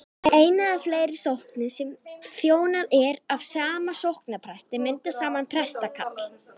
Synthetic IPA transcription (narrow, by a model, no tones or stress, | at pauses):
eːjnaðafleːjɾɪɾ̥sohknʏsɛmθjoːwnaðɛɾav̥saːmasowhknapʰɾɛst̪ɪmɪnt̪asaːmanpʰɾɛst̪akʰa̰t̪l̥